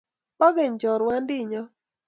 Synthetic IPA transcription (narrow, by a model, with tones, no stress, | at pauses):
pɔ˦ɡe˨ɲt͡ʃɔ˨ɾwa˦ndɪ˦˨ɲɔ˦